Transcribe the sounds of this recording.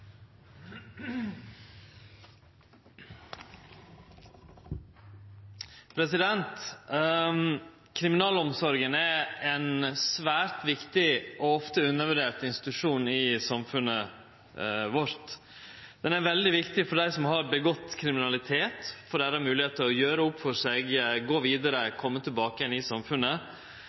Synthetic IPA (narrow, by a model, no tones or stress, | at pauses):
pʰɾɛsɪd̪ɛnt̪ | kʰɾɪmɪnɑːlɔmsɔɾɡənæɾɛnsʋæːɾt̪ʋɪkt̪ɪʔɔɔft̪əʉnːəɾʋœɖeːʈ̪ɪnst̪ɪ̥t̪ʉʂuːnɪsɑmfʉnːə | ʋɔɾt̪ | d̪̥ɛnæɾʋɛld̪ɪʋɪkt̪ɪfɔɖæɪsɔmɦɑɾbəɡɔt̪ːkʰɾɪmɪnɑlɪt̪ʰeːt̪fɔɖæːɾɑmʉːlɪheːt̪əɔjøːɾəʊpfɔʂɛɡɡoːʋiːd̪əɾəkʰɔmːət̪ʰɪlbɑːkəjɛnɪsɑmfʉnːə